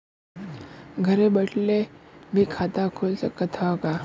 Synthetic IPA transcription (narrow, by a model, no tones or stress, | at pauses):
ɡʱəɾebəʈlemiːkʰat̪akʰolsəkːət̪ʰaka